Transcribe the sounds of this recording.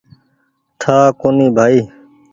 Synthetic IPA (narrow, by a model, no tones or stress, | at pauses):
t̪ʰaːkoːniːbʱaːiː